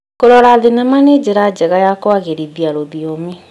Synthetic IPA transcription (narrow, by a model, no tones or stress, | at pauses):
koɾɔɾaːðenɛmaned͡ʑeɾad͡ʑɛɣajakwaɣeɾiðiaɾoðiome